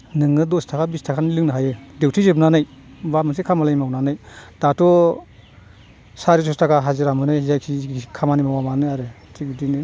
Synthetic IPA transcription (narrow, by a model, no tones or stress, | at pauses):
nɯŋɯdɔstʰakʰabistʰakʰanilɯŋnɯɦajɯdewtʰizɯbnanɯj | bamas̬ekʰamalajmawnanɯjd̥atɔ | saɾis̬ɔstʰakʰaɦazɯɾamɯnɯjzajkʰikʰamanimawamanɯaɾɯ | tʰibidinɯ